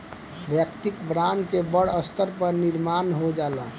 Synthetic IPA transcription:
bjəkt̪ikbɾankebəɽəst̪ʰəɾpəɾniɾmanɦod͡ʒalə

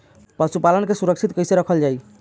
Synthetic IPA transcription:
pəsupalənkesuɾəkt͡ʃʰit̪̚kəjseɾəkʰəld͡ʒaj

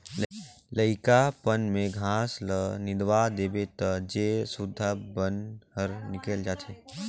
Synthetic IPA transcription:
ləɪkapənmẽɡʱãːslənɪd̪ʋad̪eːbet̪əd͡ʒeːsʊd̪ʱːabənɦəɾnɪkeld͡ʒaːt̪ʰeː

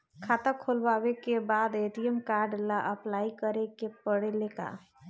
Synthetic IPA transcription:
kʰaːt̪akʰoːlwaːwekebaːd̪eːʈ̪iɛmkaːɾɖlaʔəplaːikəɾekepəɽeleka̰ː

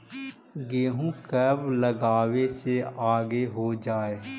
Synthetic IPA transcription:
ɡeːɦũkəbləɡaːweseaːɡeɦod͡ʒaːeː

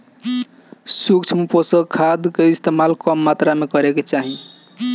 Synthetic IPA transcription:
sukt͡ʃʰmuposəkʰad̪keist̪emalkəmːat̪ɾamekəɾeket͡ʃaɦi

